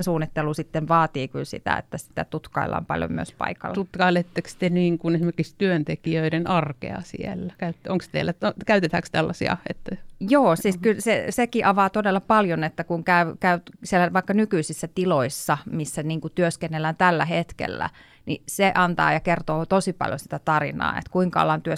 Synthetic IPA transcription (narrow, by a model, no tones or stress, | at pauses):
nsuːnːit̪ːelusit̪ːeʋʋɑːt̪iːkylsḭt̪æ̰ḛt̪ːæsi̥t̪æ̰t̪ut̪kɑilːɑ̰mpɑ̰ljo̰myø̰spɑ̰ikɑ̰lːt̪ut̪kɑilet̪ːekst̪eniːŋkunesimerkikst̪yønt̪ekiøiɾenʔɑrkḛɑ̰sḭelːækæyt̪ːoŋkst̪ḛilːæokæyt̪et̪ækst̪ælːɑsḭɑ̰ḛt̪ːæjoːsiːskylsesekiʔɑʋɑːt̪odelːɑpɑljonet̪ːækuŋkæykæysielːæʋɑikːɑnykyisisːæt̪iloisːɑmisːæniːŋkut̪yøskenːelːænt̪ælːæhet̪kḛlːæ̰ | nḭseʔɑnt̪ɑ̰ːjɑkert̪oːt̪osipɑ̰ljo̰si̥t̪æt̪ɑrḭnɑ̰ːḛt̪kuiŋkɑo̰lːɑnt̪yø